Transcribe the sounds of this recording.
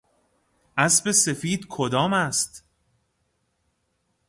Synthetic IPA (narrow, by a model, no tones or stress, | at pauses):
ʔæsbe̞se̞fiːd̪kʰod̪ɒːmæst̪